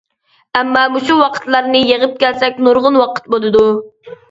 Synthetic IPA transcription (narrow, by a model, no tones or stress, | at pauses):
ɛmːɑːmuʃuwɑqʰə̥t̪lˠɑɾnɨjeʁəp̚kʲælsɛkʲnuɾʁʊnwɑqə̥t̪̚bolˠɨd̪u